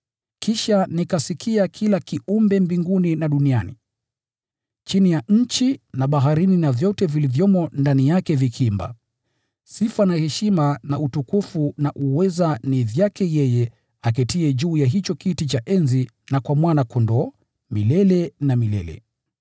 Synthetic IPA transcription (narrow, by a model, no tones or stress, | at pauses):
kʰiʃanikasikʰiakʰilakiʔumbɛmbiŋɡuninaɗunianḭ | t͡ʃinijaɲ̩t͡ʃinaɓaɦaɾininavjɔtɛvilivjɔmɔndanijakɛvikʰimba̰ | sifanahɛʃimanautukufunaʔuwɛzanivjakɛjɛjɛ | ak̬ɛtiɛʄuːjaɦit͡ʃɔkitit͡ʃaʔɛnzi | nakwamwanakɔndɔ | milɛlɛnamilɛ̰lɛ̰